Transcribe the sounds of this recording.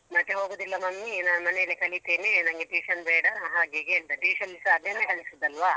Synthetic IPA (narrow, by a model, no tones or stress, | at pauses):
mɐt̪ːeɦoːɡud̪ilːɐmɐmːinɐmɐnejilekɐlit̪eːnenɐŋɡeʈiːʂɐnbeːɽɐɐɦaɡeɡeːld̪ɐʈiʋiʂɐnlisɐːd̪jɐnːekɐlisud̪ɐlʋaː